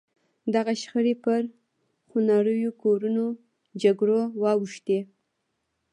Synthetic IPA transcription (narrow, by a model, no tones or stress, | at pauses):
d̪aɣaʃxəɾepəɾ | xunɑɽəjokoɾuno | d͡ʒaɡɽowɑwəʃt̪e